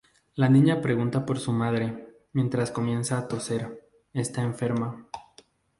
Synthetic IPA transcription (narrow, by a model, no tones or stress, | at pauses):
lanĩɲapɾe̞ɣunt̪apo̞ɾsumaðɾe̞ | mje̞nt̪ɾasko̞mje̞nsaːt̪o̞se̞ɾ | e̞st̪aeɱfe̞ɾma